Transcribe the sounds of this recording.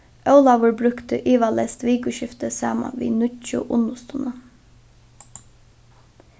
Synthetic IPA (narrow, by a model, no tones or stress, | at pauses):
ʔœʉlɑʋʊɹbɾʉkt̪ə̰ʔiːʋɑlɛst̪ʋiːkʉʃɪft̪əsɑ̰ːmɑ̰nʋḭːnʏt͡ʃʊ̰ʔʊnʊst̪ʊnə